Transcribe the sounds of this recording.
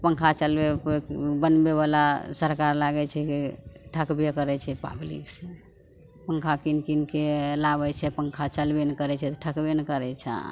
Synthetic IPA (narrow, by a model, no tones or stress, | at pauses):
pəŋkʰat͡ʃəlbebənbebalasəɾkaɾlaɡɛt͡ʃʰɛkeʈʰəkbjekəɾɛt͡ʃʰɛpa̰blḭkse | pəŋkʰakinkinkelaβɛt͡ʃʰɛpəŋkʰat͡ʃəlbenkəɾɛt͡ʃʰɛt̪ɔʈʰəkbenkəɾɛt͡ʃʰa̰